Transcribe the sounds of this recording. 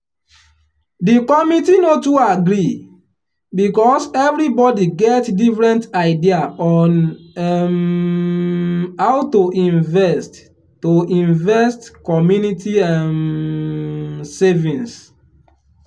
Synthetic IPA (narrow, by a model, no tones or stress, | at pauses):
dikɔmitinotuaɡɾi | bikɔsɛvɾibɔdiɡɛtdifɹɛ̃ntaɪdiaʔɔn | aʊtoʔĩnvɛstː | oʔĩnvɛstkɔmjunitiãn | sɛvĩns